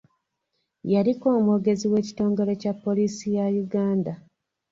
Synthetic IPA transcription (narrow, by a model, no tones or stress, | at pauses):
jaliko̞ːmoɡe̞ziwe̞ːci̥to̞ːŋɡe̞ɾe̞capːo̞liːsijajuɡaːnda